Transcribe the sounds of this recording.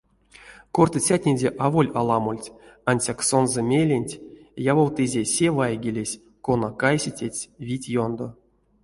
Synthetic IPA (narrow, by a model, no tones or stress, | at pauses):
kort̪ɨt͡sʲatʲnʲed͡zʲeʔavolʲalˠɑmolʲtʲanʲsʲaksonzɨmʲelʲenʲtʲjavowt̪ɨzʲesʲevajɡʲilʲesʲ | konakajsʲitʲet͡sʲvʲitʲjond̪o